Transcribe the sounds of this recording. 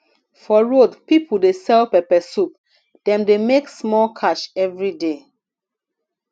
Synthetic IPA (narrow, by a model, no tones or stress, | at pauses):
fɔɹodpipʰul̩desɛlpɛpɛsup | d̥ɛ̃mdemeksmɔlkʰaʃɛvɹide